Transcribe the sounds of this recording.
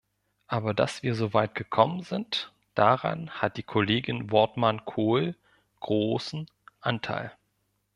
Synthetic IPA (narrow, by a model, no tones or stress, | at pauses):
ʔaːbɐda̰sv̥iːɐzoːvaɪt̚ɡ̥əkʰɔmənzɪnt | d̥aʁa̰nhat̚d̥iːkʰoleːɡɪnvɔɐtmankʰoːl | ɡ̥ʁoːsn̩ | ʔantʰa̰ɪl